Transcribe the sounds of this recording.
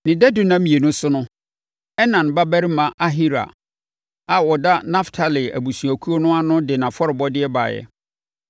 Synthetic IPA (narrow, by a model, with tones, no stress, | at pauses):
nɪ̃˨dɛ˦dʊ˦nã˦mĩ˨e˨nʊ̃˦sʊ˦nʊ̃˦ | ɛ˦nã˨n˨ba˦bæ˦ɾɪ˦mã˨ʔa˦ɦi˦ɾa̰˨ | a˨wɔ˨da˦na˦ftʰa˨lɪ˨æ̰˨bu˨su˨æ˨kʰu˦o˦nʊ̃˦a˦nʊ̃˦dɪ˨nã˨fɔ˦ɾɪ˨bɔ˦dɪ˦ɛ˦ba̰˨jɛ̰˨